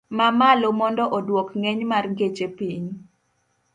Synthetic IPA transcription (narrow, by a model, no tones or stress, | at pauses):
mamalomɔndɔʔɔdwɔkŋeɲmarŋɡet͡ʃepiɲ